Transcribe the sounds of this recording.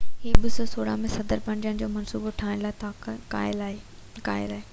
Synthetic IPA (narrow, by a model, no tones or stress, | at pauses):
ɦiːɓɪsosoːɽa̰mẽsɐd̪əɾpɐ̃ɲd͡ʑənɪ̆d͡ʑoːmɐnsuːboʈʰaːɪ̃nlaːt̪ʰakaːɪlaka̰ːɪ̰laːɦe